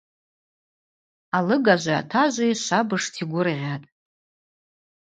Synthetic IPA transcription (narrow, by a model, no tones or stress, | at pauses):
alɨɡaʒʷaa̰tʰaʒʷajʃʷabɨʂtʰiɡʷʊrʁʲatʼ